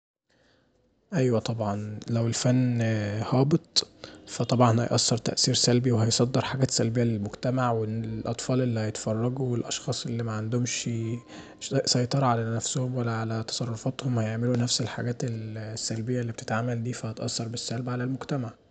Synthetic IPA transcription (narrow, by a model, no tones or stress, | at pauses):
ʔæjwæt̪ˤɑbʕɑnlæwelfænːhɑːbet̪ˤfæt̪ˤɑbʕɑnhæ̰jʔɑ̰sːɑɾˤt̪æ̰ʔsiːɾsælbiwehæjsˤɑd̪ːeɾħaɡæːt̪sælbejːælelmoɡt̪æmaʕwelʔɑt̪ˤfɑːlʔelːihæjet̪fɑrˤːɑɡuwelʔɑʃxɑːsˤʔelːimæʕand̪omʃ | sɑjt̪ˤɑɾˤɑʕalænæfsohomwælːæʕalæt̪ɑ̥sˤɑrˤːofɑt̪homhæjeʕmelunæfselħa̰ɡæːt̪elsːælbejːæʔlːiːb̚et̪e̥t̪ʕaːmæld̪iːfæhæt̪ʔɑ̰sːɑɾˤbesːælbʕalælmoɡt̪æmaʕ